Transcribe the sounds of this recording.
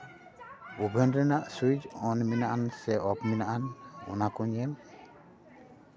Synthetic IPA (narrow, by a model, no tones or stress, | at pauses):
ubʱɛndɾɛnaʔsuid͡ʒɔnminaʔansɛʔɔpminaʔanɔ̰nakuɲɛm